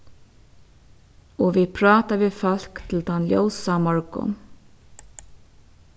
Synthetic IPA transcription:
oːʋɪpʰɾɑːt̪aʋɪːfɑl̥kt̪ʰɪl̩d̪ɑnljo̰wsɑmɔɹkʊ̰

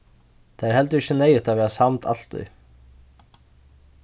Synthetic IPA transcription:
t̪ʰahɛlt̪ʏɾɪçːɪnejɪt̪avɛːɾasamt̪ʰa̰l̥t̪ʏ̰j

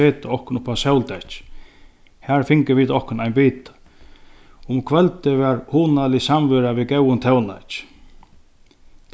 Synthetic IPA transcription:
eːt̪ɪɔhkʊnʊpʰasɛwlt̪ɛt͡ʃ | hæɹfɪŋkəɾʋiːt̪ɔhkʊnajnbiːt̪ḁ | ʊmkʰʋɛlt̪ɪʋɛɾhuːnalɪsamvʏɾaʋikɛwʊnt̪ʰɛwna̰t͡ʃ

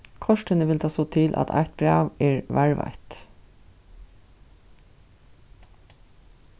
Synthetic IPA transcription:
kʰɔʂʈənəʋɪlt̪ʰɑːsoːt̪ʰɪlʔɑ̰t̪ʰɑ̰ɪt̪̚bɹɑːʋɛːɹʋæɹʋɑ̰t̪

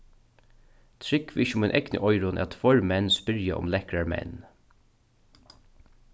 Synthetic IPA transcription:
t̪ʰɾɪkʋɪçəʊmɛnʔɛknə̰ʔɔjɾʊnɛ̰at̪ʰfɔɹmɛnːspɪɾjaʔʊ̰mlɛhkɾaɹmɛ̰nː

